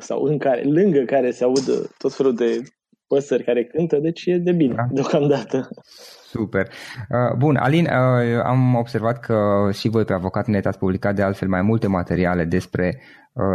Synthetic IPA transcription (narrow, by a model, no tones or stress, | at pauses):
sa̰wɨŋkaɾḛlɨŋɡəkaɾe̞seaud̪ə̰t̪ːo̞t̪fe̞lud̪e̞ | pəsərʲkaɾe̞kɨnt̪əd̪e̞t͡ʃʲjed̪e̞bined̪eo̞kamd̪at̪əsupe̞rəbuna̰linəa̰mo̞b̥se̞rvat̪kʰəʃivo̞jpeavo̞kat̪net̪at̪sʲpublikat̪̚d̪e̞alt̪fe̞lmajmult̪e̞mat̪e̞ɾiale̞d̪e̞spɾe̞ | ə